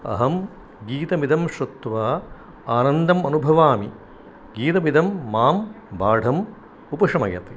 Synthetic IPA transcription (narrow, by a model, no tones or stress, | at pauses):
ɐ̰ɦɐm | ɡiːt̪ɐmid̪ɐmʃɾɐt̪ːʋaː | aːnɐnd̪ɐmɐnubʱɐʋaːmi | ɡiːt̪ɐmid̪ʱɐmːaːmbaːɖʱɐm | upɐʂɐmɐjɐ̰t̪i